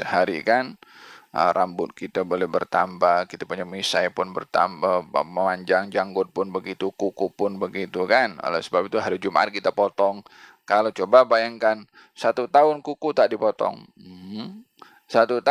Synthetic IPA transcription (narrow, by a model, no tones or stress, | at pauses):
səhaɾḭkanə̰rʔambʊt̪̚kit̪abolɛhbərt̪ambakit̪apuɲamisajpʊnbə̰rt̪a̰mbaməmaɲd͡ʒaŋd͡ʒaŋɡʊt̪̚pʊnbəɡit̪ukukupʊnbəɡit̪ukan̰lɛ̰səbapit̪uɦaɾid͡ʒumʔa̰t̪̚kit̪apot̪ɔŋ | kalot͡ʃobabajaŋkan | sat̪ut̪aʊnkukut̪aʔdipɔt̪ɔ̰ŋ̩h̩ | sat̪ut̪a